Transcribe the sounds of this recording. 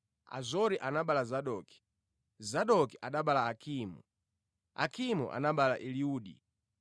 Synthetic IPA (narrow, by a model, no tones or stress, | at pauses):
a̰zɔɾiʔanaɓalazaɗɔki̥ | zaɗɔkiʔaɗaɓalaːkʰiːmṵ | a̰kʰimṵʔa̰naɓalaʔiliuːɗḭ